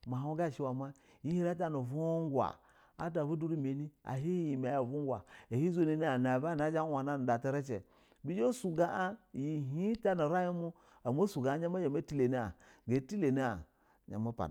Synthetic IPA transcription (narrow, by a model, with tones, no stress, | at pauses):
ma˨ɦo˦ɡa˦˨ʃi˦wa˨ma˦˨ | i˦i˦ɾa˦t̬a˦no˨vu˦ŋ˦ɡwa̰˨ | a̰˦t̬a˨bu˦du˦ɾi˦me˨ni˦a̰˨ɦi˦ji˨ma˨ja˨vu˦ɡʷa̰˨e˨hi˦zo˦ni˨ni˦a˨na˨ba˦˨na˦d͡ʒa˦wa˨na˦n˨da˨te˦ɾe˦t͡ʃḛ˨ | bi˦d͡ʒo˦su˨ɡa˨ʔa˦˨ji˨ɦi˦ta˦no˨ɾa˦ji˦mu˦ | a˨m˦o˦su˨ɡa˨a˦ɲa˦ma˦je˨me˦ti˦le˨ni˦a̰˨ɡe˨˦ti˦le˨ni˦a̰˨ | ɲa̰˨ma˦pa̰˨